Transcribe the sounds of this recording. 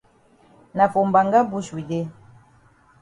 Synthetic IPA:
na˨fo˨m̩˨ba˨ŋɡa˦bu˦swi˨de˦

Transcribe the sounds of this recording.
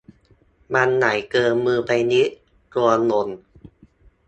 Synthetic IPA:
ma˧nːa˩˦jkɤː˧nmɯː˧pa˧jni˦˥ʔ | k̪u˧ɐno˧˦n

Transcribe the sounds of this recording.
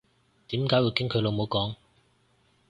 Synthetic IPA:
t̪iː˨˥mkaː˨˥jwiː˨˧wkɪ˥ŋkʰɵ˨˧ɥlo˨˧wmo˨˧wkɔː˨˥ŋ

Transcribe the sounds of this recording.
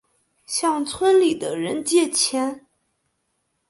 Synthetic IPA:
ɕjɑ˥˩ŋt͡sʰwə˥nli˨˩d̪ə˦ɻə˧˥nt͡ɕjɛ˥˩t͡ɕʰjɛ˥n

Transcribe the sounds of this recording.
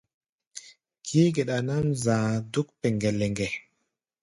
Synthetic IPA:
kʰi˦ɡe˨ɗa˨na˦mzãː˨du˦k̚pe˨ŋɡe˨le˨ŋɡe˨

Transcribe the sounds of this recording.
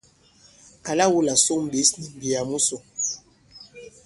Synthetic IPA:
ka˨la˦wu˦la˨so˦m̩˨be˨˦sni˨m˨bi˨ja˨mu˦so˨

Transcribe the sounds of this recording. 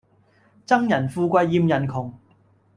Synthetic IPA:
t͡sɐ˥ŋjɐ˨˩nfuː˧kʷɐ˧jːiː˧mjɐ˨˩nkʰʊ˨˩ŋ

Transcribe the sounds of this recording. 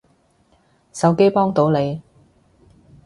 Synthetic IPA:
sɐ˨˧wke˥jpɔː˥ŋt̪o˨˥wne˨˧j

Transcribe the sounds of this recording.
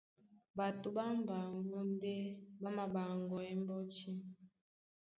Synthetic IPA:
ba˨tu˨ba˦m˨ba˨ŋɡɔ˦n˦de˦ba˦ma˨ba˨ŋɡɔ˨ɛ˦m˦bɔ˦t͡ʃi˦

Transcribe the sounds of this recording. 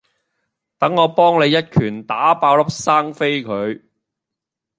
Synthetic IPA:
t̪ɐ˨˥ŋːɔː˨˧pɔː˥ŋne˨˧jːɐ˥t̚kʰyː˨˩nt̪aː˨˥paː˧wlɐ˥p̚saː˥ŋfe˥jkʰɵ˨˧ɥ

